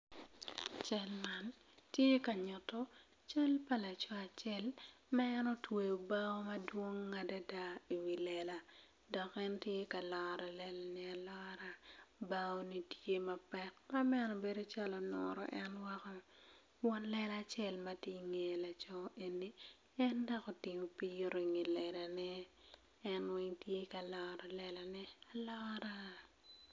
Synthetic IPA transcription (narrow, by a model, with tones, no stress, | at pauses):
t͡ʃa˦lma˨n | tje˦ka˨ɲʊ˨tɔ˦ | t͡ʃa˦lpa˨la˨t͡ʃɔ˦a˨t͡ʃɛ˦l | ma˦ɛ˦nɔ˦twe˨o˨ba˦o˦mɐ˦dwo˦ŋːa˨da˦da˦i˨wi˨lɛ˨la˨ | dɔ˨kɛ˦ntje˦ka˨lɔ˨ɾa˨lɛ˨lnɪ˦a˨lɔ˦ɾa˨ba˦o˦ni˦tje˦ma˨pɛ˦t̚ma˦mɛ˦nɔ˨be˦do˦t͡ʃa˦lɔ˨nɔ̰ɾɔ̰˨ʔɛ˦nwa˦kɔ˦ | wɔ˦nlɛ˦la˦t͡ʃɛ˦˨lma˦ti˦ŋe˨la˨t͡ʃɔ˦ʔe˨nːi˦ | ɛ˦ndɔ˦kɔ˨tɪ˨mo˨pi˦o˦ɾi˨ŋi˨lɛ˨da˨nɛ˦ | ɛ˦nwɪ˦ŋtje˦ka˨lɔ˨ɾa˨lɛ˨la˨nɛ˦a˨lɔ˦ɾa˦